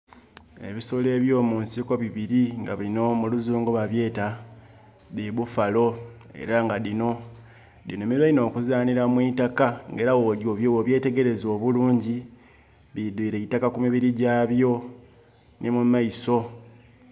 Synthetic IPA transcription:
e̞̰βisole̞ːβjo̞ːmuːnsiko̞βiβiɾiŋɡaβino̞muluzuːŋɡoβaβje̞ːta | diβufalo̞ | e̞̰ɾaŋɡadino̞ | dinomiɾwaino̞ːkuzaːniɾamwiːtakaŋɡeːɾawoɾjo̞ːβjowoβje̞ːte̞ɡe̞ɾe̞zo̞ːβuluːɲɟi | βidwiːɾeitakakumiβiɾiɟaːβjo̞ | nimumaiso̞

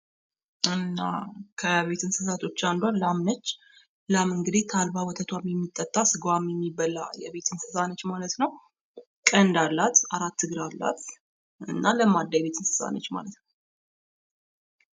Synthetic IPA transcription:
ɨnːa̰kʰəβe̞t̪ʰɨnsɨzat̪ʰo̞t͡ʃːand̪wanlamnət͡ʃː | lamɨŋɡɨd̪it̪ʰalbawɔt̪ʰət̪ʰwamjɛmːit̪ʼːət̪ʼːasɨɡwamjɛmːibːəla̰jɛβe̞t̪ʰɨnsɨzanət͡ʃːmalət̪nəw | kʼənd̪alːat̪aɾat̪ːɨɡɨɾalːa̰t̪ | ɨ̰nːaləmad̪ːajɛβe̞t̪ʰɨnsɨ̥za̰nət͡ʃːma̰lət̪nə

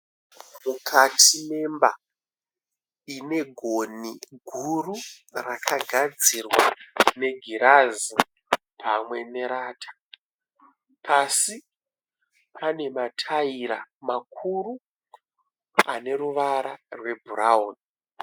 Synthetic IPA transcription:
mukʰatʰime̞mba̰ | ine̞ɡʱoniɡʱuru | rakʰaɡʱad͡zirwane̞ɡʱiɾazi | pʰamwe̞ne̞ɾaːtʰḁ | pʰasi | pʰane̞matʰaiɾamak̚ʰuru | ane̞ɾuʋaɾarwe̞bʱuraoːn

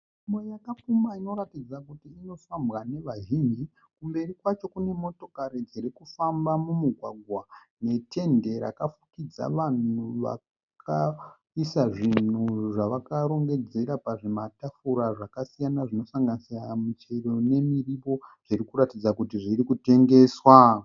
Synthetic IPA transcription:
mwejakafumaino̞ɾatid͡zakutiːno̞fambɣane̞ʋaʒind͡ʒi | kumbe̞rikwat͡ʃo̞kune̞mo̞to̞kaɾid͡zeɾekufambamumuɡʱwaɡʱwa | ne̞tʰe̞nde̞ɾa̰kafukid͡za̰ʋan̤uʋa̰kʰ | a | isaʐin̤uʐaʋakaɾo̞ŋɡe̞d͡ze̞ɾapaʐematafuɾaʐakasijanaʐino̞saŋɡanisiramit͡ʃero̞ne̞miripo̞ʐiɾikuɾatid͡zakutiʐirɾikute̞ŋɡe̞ːswa

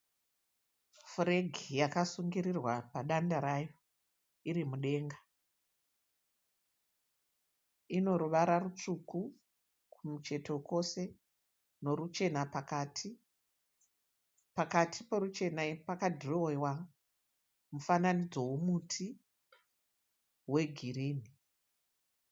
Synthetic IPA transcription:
fre̞ɡʱijakasuŋɡiɾirwapaɗandaɾajo | iɾimuɗe̞ːŋɡa | ino̞ɾuʋaɾarut͡ʂuku | kumut͡ʃe̞tʰo̞ko̞se̞ | no̞ɾut͡ʃe̞napakatʰi | pakatʰipoɾut͡ʃe̞napakadʱriowa | mufananid͡zo̞wumutʰi | we̞ɡʱiriːni

